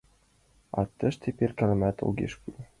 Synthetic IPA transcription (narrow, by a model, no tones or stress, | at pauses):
ɑ̰t̪ːɤ̆ʃt̪ʰʲepʲerʲkælɘmæt̪ɤ̰lˠɡʲḛʃku